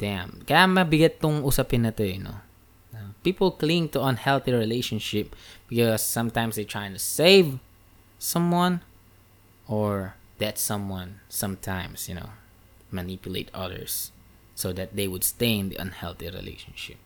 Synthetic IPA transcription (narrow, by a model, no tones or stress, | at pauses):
d̪̥æ̃mkajamɐbɪɡat̪ːʊŋusapɪ̃nːɐt̪ojno̰ | nopipl̩ˠklĩŋt̪uə̃nhɛlˠθiɹɪleɪʃə̃nʃɪp̚b̥ɪkɔsːʌ̃mt̪ãɪ̃msd̪eɪt̪ʰɹaɪjɪ̃ŋt̪ʊseɪv | sʌ̃mwʌ̃n | ɔɹðætsʌ̃mwʌ̃nsʌ̃mt̪ʰãɪ̃msjɨno̰ʊ | manipjʊlḛɪt̪ʌðə̰˞sː | oðɨt̪̚d̪eɪwʊd̥st̪ẽɪ̃nd̪ḭʔʌ̰̃nhɛ̰lθiɹɪ̰lḛɪʃə̃nʃɪ̰p̚